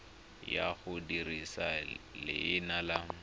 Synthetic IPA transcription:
jaχʊdirisalɪ̰ɪnala

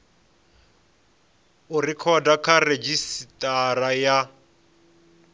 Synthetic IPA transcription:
ʊrikʰɔdakʰared͡ʒisitʼaraja

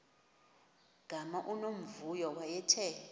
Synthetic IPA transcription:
ɡ̥ʱamaʔunom̩vujɔwajɛtʰɛ

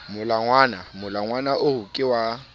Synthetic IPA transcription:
mʊlaŋwaːnamʊlaŋwanaʔʊhʊkʼɪwa

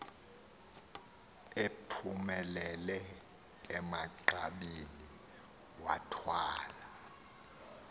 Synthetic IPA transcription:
epʰumɛlɛlɛ | ɛmaǃaɓini | wa̰tʰwaːla

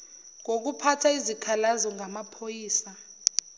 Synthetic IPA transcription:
ŋok̬upʰatʰaizikʰalazɔŋʱamapʰojiːsa

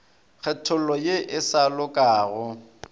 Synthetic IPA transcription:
k͡xʰɛtʰʊlɔjeʔɪsalʊkʼaːɣʊ

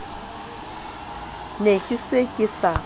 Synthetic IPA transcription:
nekʼisekʼisa

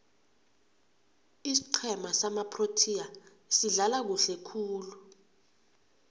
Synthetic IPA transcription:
isi̥ǃʰɛmasamapʰrotʰia | siɮalak̬uɬɛkʰuːlu

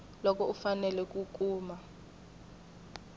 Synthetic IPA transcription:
lɔk̬ʼɔufanɛlɛk̬ʼukʼuːma

